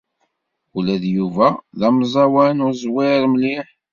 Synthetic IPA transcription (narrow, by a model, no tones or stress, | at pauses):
ulæðjuvæðɑmzˤɑwænʊɾzˤwɪɾˤməliħ